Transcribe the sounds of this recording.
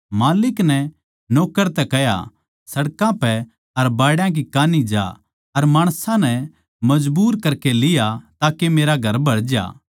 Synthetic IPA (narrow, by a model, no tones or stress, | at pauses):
maːlɪknɛ | noːkːəɾt̪ɛkɛja̰ | sɐɽkãpɛ | ɐɾbaːɽjãk̬ikaːnid͡ʒa̰ː | ɐɾmaːɽ̃sãnɛ | mɐd͡ʒbuːɾkɐɾkelɪjat̪aːkemeːɾaɡʱɐɾbʱɐɽd͡ʒa̰ː